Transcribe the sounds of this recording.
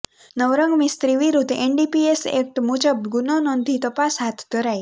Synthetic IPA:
nəwɾəŋmist̪ɾiwiɾut̪ʔɛnɖipiɛsɪ̰k̚t̪mut͡ʃəb̚ɡunɔnɔnd̪it̪əpasat̪d̪̥əɾaj

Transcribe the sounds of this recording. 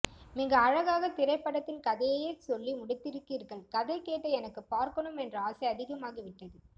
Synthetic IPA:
mɪŋɡɐːɻɐɣaːɣɐt̪ɪɾɐɪpːɐɽɐt̪ːɪnkɐðɐjjesɔlːimʊɽɪt̪ːɪɾɯkːiːɾɣɐɭkɐðɐɪkeːʈːɐɛnɐkːɯpaːɾkɐɳɯmɛndrɐaːsɐɪɐðɪɣɐmaːɣiʋɪʈːɐðɯ

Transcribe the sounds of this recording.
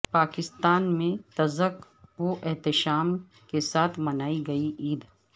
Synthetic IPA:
paːkɪst̪aːnmẽt̪ɐzək | ʋoʔɛɦt̪ɪʃaːm | kesaːt̪ʰmɐnaːiɡɐiʔiːd̪

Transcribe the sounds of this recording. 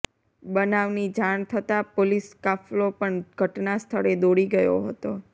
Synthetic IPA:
ɓənaʋnid͡ʒaɳt̪ʰət̪apoliskaflopəɳɡʱəʈnast̪ʰəɽed̪oɽiɡəjo̰ɦət̪o

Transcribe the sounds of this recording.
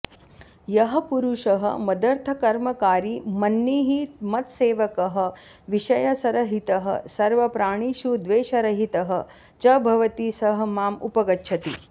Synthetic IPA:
jɐɦɐ̆puɾuʃɐɦɐ̰mɐd̪ɐɾt̪ʰɐkɐɾmɐkaːɾimɐnːiːɦimɐt̪seːʋɐkɐɦɐ̆ | ʋiʃɐjɐsɐɾɐɦit̪ɐɦɐ̰sɐɾʋɐpɾaːɳ̃iːʃud̪ʋeːʃɐɾɐɦit̪ɐɦɐ̆ | t͡ʃɐbʱɐʋɐt̪iːsɐɦɐ̆maːmupɐɡɐtːʃʰɐt̪i

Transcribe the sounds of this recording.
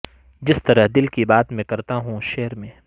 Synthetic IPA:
d͡ʒɪst̪ɐɾəɦd̪ɪlkibaːt̪mẽkɐɾt̪aɦũʃeːəɾmẽː

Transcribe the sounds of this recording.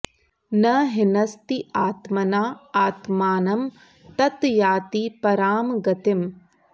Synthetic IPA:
nɐɦɪnɐst̪iaːt̪mɐnaːaːt̪maːnɐm | t̪ɐt̪jaːt̪ipɐɾaːmɡɐt̪ɪm

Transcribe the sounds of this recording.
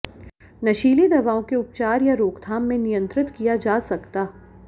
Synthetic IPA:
nɐʃiːlid̪ɐʋaːõkeʊp̚t͡ʃaːɾjaɾoːkt̪ʰaːmːẽnɪjə̃nt̪ɾɪt̪kijad͡ʒaːsɐkt̪aː

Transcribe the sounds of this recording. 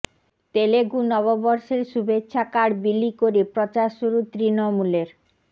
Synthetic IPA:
t̪eleɡunɔβobɔɾʃeɾʃubʱetːɕʰakaɽbilːikoɾepɾɔt͡ɕaɾʃuɾut̪ɾinomuleɾ

